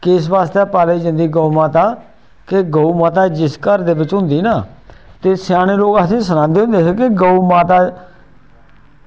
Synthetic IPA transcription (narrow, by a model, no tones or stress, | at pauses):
kɪs̬ʋaːst̪aːpaːleːd͡ʒɪ̃nd̪iːɡoːumaːt̪aː | keɡouːmaːt̪̬aːd͡ʒɪskəɾd̪eːbɪt͡ʃɦʊ̃nd̪iːnaːt̪eːsaːɽ̃eːloːɡaːsĩːsənãːnd̪eːõnd̪eːɦekeɡəuːmaːt̪aː